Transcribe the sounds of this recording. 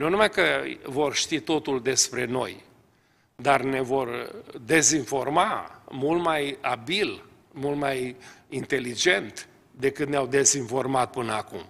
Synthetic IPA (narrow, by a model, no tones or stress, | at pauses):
nunumajkəvo̞rʃt̪it̪o̞t̪uld̪e̞spɾe̞no̞̰j | d̪arne̞vo̞rd̪e̞zinfo̞rmamult̪majabil | mult̪majint̪e̞lid͡ʒe̞nt̪ | d̪e̞kɨt̪neawd̪e̞zinfo̞rmat̪̚pɨnəakum